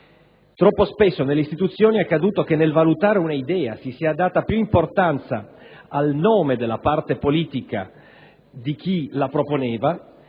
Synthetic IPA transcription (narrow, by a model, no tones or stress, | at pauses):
t̪ɾɔpːospesːonelːeist̪it̪ut̪sːjoːniakːad̪uːt̪okenːelvalut̪aːɾeunaid̪ɛːa̰sisiad̪ːaːt̪apjuimport̪ant̪sa̰alnoːmed̪elːapart̪epoliːt̪ika̰ | d̪ik̟ilapɾoponɛːva